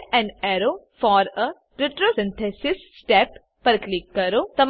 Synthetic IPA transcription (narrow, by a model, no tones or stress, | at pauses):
ɛ̃nɖɛɾoː | fɔːɾə | ɾɪʈɾosɪ̃nt̪ʰesisːʈɛpː | ɐɾklikːɐɾut̪ɐm